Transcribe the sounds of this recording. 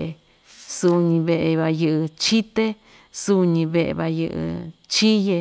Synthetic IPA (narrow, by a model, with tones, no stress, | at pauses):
e˧ | su˧ɲĩ˧βe˧ʔe˧βa˧jɨ˧ʔɨ˧t͡ʃi˦t̪e˦ | su˧ɲĩ˧βe˧ʔḛ˧βa˧jɨ̰˧ʔɨ̰˧t͡ʃi˦je˧